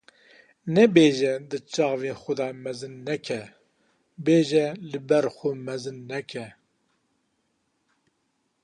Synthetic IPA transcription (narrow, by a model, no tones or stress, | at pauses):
nɛbeːʒɛd̪ɨt͡ʃɑːveːxʊd̪ɑːmɛzɨnːɛkʰɛ | beːʒɛlɨbɛɾxʊmɛzɨnːɛkʰɛ